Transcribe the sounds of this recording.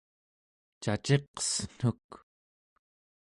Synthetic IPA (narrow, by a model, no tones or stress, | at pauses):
t͡ʃat͡ʃeq̚ʌ̥sn̥uk